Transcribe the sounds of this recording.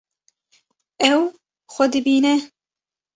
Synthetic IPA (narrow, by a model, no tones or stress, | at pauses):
ɛw | xʷɔd̪ɨbiːnɛ